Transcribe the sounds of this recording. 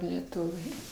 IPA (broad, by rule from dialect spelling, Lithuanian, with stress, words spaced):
lʲɛˈtʊʋʲɛɪ